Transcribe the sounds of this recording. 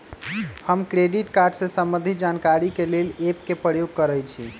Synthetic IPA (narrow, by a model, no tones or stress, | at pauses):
həmkɾeɖiʈkaɾɖsẽsəmbənd̪ʱid͡ʒankaɾikelelep̚kepɾəjoɡ̚kəɾəjt͡ʃʰi